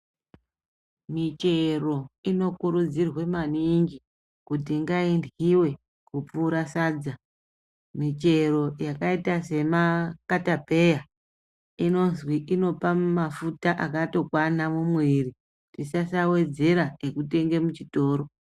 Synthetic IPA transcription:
mit͡ʃe̞ro̞ino̞kuɾud͡zirwe̞maniŋɡi | kutiŋɡaindɣiwe̞ | kup͡fuːɾasaːd͡za | mit͡ʃe̞ro̞jakaitase̞makatape̞ja | ino̞nzwiʔino̞pamafutaʔakato̞kwanamumwiri | tisasawe̞d͡ze̞ɾaekute̞ŋɡe̞mut͡ʃito̞ːɾo̞

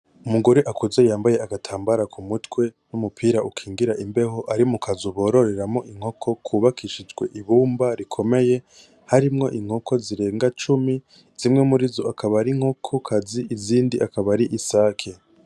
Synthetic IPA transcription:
umuɡoɾeʔakuzejaːmbaje̞aɡatʰaːmbaɾakʰumutwe̞numupʰiːɾaʔukʰiːŋɡiɾaʔimbe̞ɦo̞ʔaɾimukʰazoβo̞ːɾo̞ɾe̞ɾamo̞ʔiŋ̥ho̞kʰo̞kʰuːβakʰiʃid͡ʒɡwe̞̰ʔiβuːmbaɾikʰo̞me̞je̞ | haɾimŋo̞ʔiŋ̥ho̞ko̞ziɾe̞ːŋɡat͡ʃumi | z̥imŋemuɾizoakʰaβaɾiŋho̞kʰokʰaziʔiziːndiʔakaβaɾiʔisaːkʰe̞

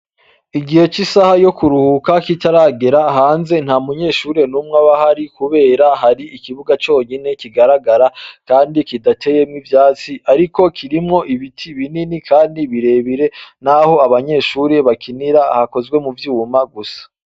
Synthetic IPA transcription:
iɡihe̞t͡ʃisahajo̞kuɾuhukakitaɾaɡe̞ɾaɦaːnze̞n̥hamuɲe̞ːʃuːɾe̞nuːmŋaβahaɾikuβe̞ːɾaɦaɾiikiβuɡat͡ʃo̞ɲine̞kiɡaɾaɡaɾakaːndikidatʰe̞je̞mŋivjaːt͡siʔaɾiko̞kʰiɾimŋo̞ʔiβitʰiβininikʰaːndiβiɾe̞βiɾe̞n̥aho̞aβaɲe̞ːʃuːɾe̞βakiniɾahako̞zɡwe̞muvjuːmaɡusḁ

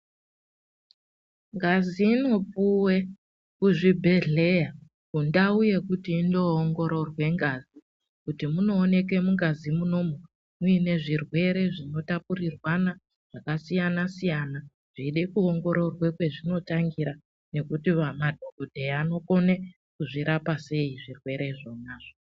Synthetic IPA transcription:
ŋɡaziːno̞puwe̞ | kuʐibʱe̞ɮe̞ja | kundauje̞kutiːndo̞ːŋɡo̞ɾo̞rwe̞ŋɡazi | kutimuno̞ːne̞k̬e̞muŋɡazimuno̞mo | muine̞ʐirwe̞ɾe̞ʐino̞tapurirwana | ʐ̥akasijanasijana | ʐ̥iiɗe̞kuoŋɡo̞ɾo̞rwekwe̞ʐino̞taŋɡiɾa | ne̞kutiʋamadʱoɡodʱeano̞ko̞ne̞ | kuʐiɾapase̞iʐirwe̞ɾe̞ʐo̞naːʐ̥o

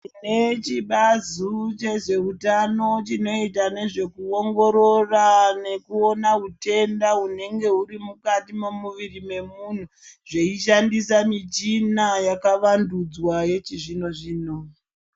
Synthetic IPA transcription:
net͡ʃiɓazut͡ʃe̞ʐe̞utano̞t͡ʃino̞itane̞ʐe̞kuo̞ŋɡo̞ɾo̞rane̞kuo̞naute̞ndaune̞ŋɡe̞uɾimukatimo̞muʋirime̞mun̤u | ʐe̞iʃandisamit͡ʃinajakaʋandud͡zwaje̞t͡ʃiʐino̞ʐiːno

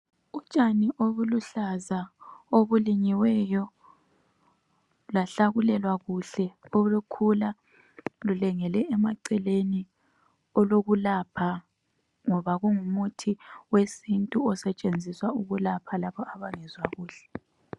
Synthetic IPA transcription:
u̥t͡ʃʼaniʔoβuluɬazaoβuliɲiwɛjɔ | laɬaɣulɛlwaɣuɬɛolukʰula | lulɛŋɛlɛɛmaǀɛleni | ɔloɣulapʰa | ŋɔβaɣuŋumutʰiwesintʼuɔsɛt͡ʃʼend͡zʱiswauɣulapʰalaβɔʔaβaŋɛzwaɣuːɬɛ̥

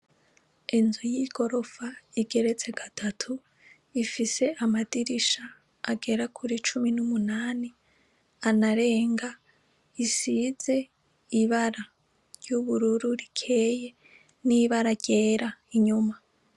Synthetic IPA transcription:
enzujiɡ̥o̞ɾo̞faiɡe̞ɾe̞t͡se̞ɡatʰatʰu | ifise̞ʔamadiɾiʃaː | ɡe̞ɾakʰuɾit͡ʃuminumunaːni | anaɾe̞ːŋɡa | isize̞ | iβaɾa | ɾjuβuɾuɾuɾikʰe̞ːje̞ | niβaɾaɟe̞ːɾaiɲuma

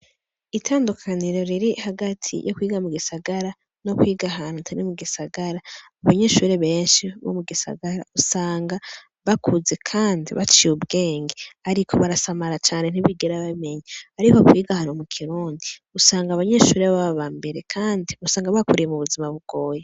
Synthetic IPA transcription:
itʰaːndukʰaniɾo̞ɾiɾihaɡatʰḭjʔokwiːɡamuɡisaɡaɾa | no̞kwiːɡaɦanutʰaɾimuɡisaɡaɾaː | βaɲe̞ʃuɾeβe̞ːnʃiβo̰muɡisa̰ɡaɾa̰usaːŋɡa | βakʰuzekʰaːndḭβat͡ʃiubɡe̞ːŋɡeaɾikʰo̞βaɾasamaɾat͡ʃaːne̞n̥iβiɡeɾaβame̞ɲaaɾikokwiːɡahanomukʰiɾuːndiusaːŋɡaːβaɲe̞ʃuːɾeβaββaːmbeɾekʰaːndiusaːŋɡaβakuɾijemuβuzimaβuɡ̥o̞ːje

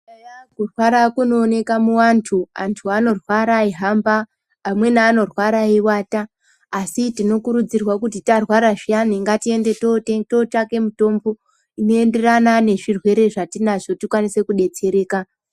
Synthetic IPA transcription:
ajakurwaɾakuno̞ːne̞kamuwantʰua̰ntʰuano̞rwaɾaiɦambaː | mwe̞naːno̞rwaɾaiwaːtaː | sitino̞kuɾud͡zirwakut̬itarwaɾaʐianiŋɡatie̞nde̞toeto̞take̞muto̞mbo̞ | ino̞e̞nde̞ranane̞ʐirwe̞ɾe̞ʐatinaʐotikwanise̞kuɗe̞t͡se̞ɾe̞ːka

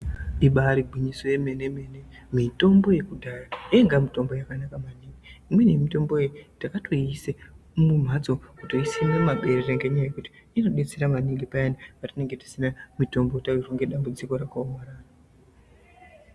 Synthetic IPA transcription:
iɓaɾiɡʱwiɲiso̞jemeneme̞ne | mito̞mbo̞je̞kudʱaraeŋɡamito̞mbo̞jakanakamaniŋɡiimwe̞nemito̞mbo̞jejtakatʰoise | mum̤ʱad͡zo̞kuto̞isenomaɓe̞ɾereŋɡeɲajekuti̥ino̞ɗet͡seɾamaniŋɡipajaniʋatine̞ŋɡe̞ti̥sinamito̞mbotariruŋɡe̞ɗambud͡ziko̞ɾakawaɾaːra

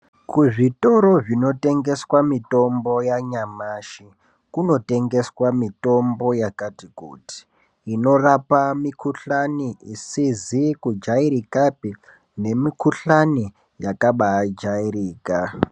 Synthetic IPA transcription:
kuʐito̞ɾo̞ʐino̞te̞ŋɡe̞swamito̞mbo̞jaɲamaːʃi | kuno̞te̞ŋɡe̞swamito̞mbo̞jakatikṵːti̥ː | no̞rapamikuɬaniʔisizikud͡ʒaiɾikapi | ne̞mikuɬani | jakaɓaːd͡ʒairiːka

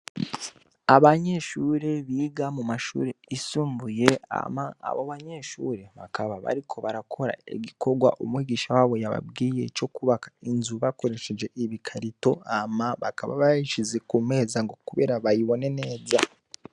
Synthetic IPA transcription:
aβaɲe̞ʃuːɾe̞βiɡamumaʃṵːɾeisuːmbuje̞a̰maa̰βoβaɲe̞ʃuɾe̞βakʰaβaβa̰ɾikʰo̞βaɾakʰo̞ɾa̰ḛɡikʰo̞ɡwa̰ʔumwiːɡiːʃawaːβo̞jaβa̰bɡiːje̞̰t͡ʃo̞kuβakḁinzuβako̞ɾe̞ʃe̞d͡ʒe̞ʔiβikʰaɾito̞amaβakaβa̰βaiʃize̞kume̞ːzaŋɡo̞kuβe̞̰ːɾaβajiβo̞ne̞ne̞ːza

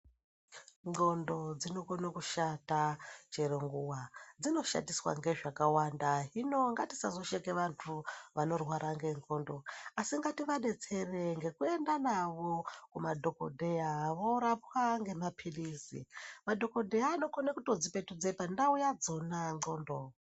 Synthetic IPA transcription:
ŋ͡ǃo̞ndo̞d͡zino̞konakuʃatat͡ʃeɾeŋɡuwad͡zino̞ʃa̰ndiswa̰ŋɡe̞ʐakawandaɦino̞ŋɡatisazo̞ʃekeʋantʰuʋano̞rwaɾʔaŋɡe̞ŋ͡ǃo̞ːndo̞asiŋɡatiʋaɗe̞t͡se̞reŋɡe̞kue̞ndanaʋokumadʱo̞ko̞̰dʱe̞jaʋoɾapwaŋɡe̞mapʰilisḭmadʱo̞kodʱejaːno̞konakuto̞d͡zipe̞tud͡zepandaujad͡zo̞naŋ͡ǀoːndo

